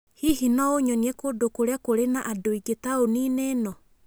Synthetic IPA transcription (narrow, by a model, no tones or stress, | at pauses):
hihinɔoɲɔniɛkodokoɾeakoɾenaʔadoiɡetaonineːnɔ